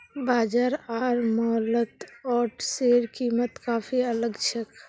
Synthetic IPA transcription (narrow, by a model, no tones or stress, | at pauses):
baːd͡ʒaɾaːɾmɔlət̪ɔːʈseɾkiːmət̪kaːpʰiələɡt͡ʃʰək